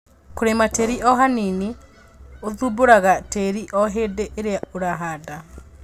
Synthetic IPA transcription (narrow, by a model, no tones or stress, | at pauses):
koɾemateɾiʔɔɦanini | oðuboɾaɣateɾiʔɔɦedeʔeɾeaoɾaɦada